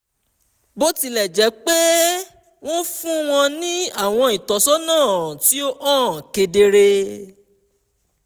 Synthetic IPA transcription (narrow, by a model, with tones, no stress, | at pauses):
bo˦ti˧lɛ˦˨d͡ʒɛ˨˦k͡pe˦ | w̃ɔ̃˦fũ˦w̃ɔ̃˧nĩ˦a˦˨w̃ɔ̃˧i˨tɔ˨˦sɔ˦nãː˦˨ti˨˦o˦ʔãː˦˨ke˧de˧ɾe˧